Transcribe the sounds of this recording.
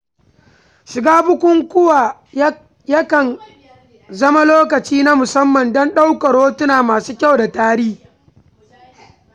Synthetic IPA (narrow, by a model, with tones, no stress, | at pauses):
ʃɪ˨ɡaː˦bʊ˦kʷʊ˦ŋkʷʊ˦wa˨ | ja˦kɐ˨n | zɐ˦ma˦loː˦kɐ˨t͡ʃiː˦na˦mʊ˨sɐ˦mːɐ˨ndɔ˦nɗa˦wkɐ˨ɽoː˦tʊ˦naː˨maː˨suː˦kʲa˦˨wda˨taː˦ɾiː˦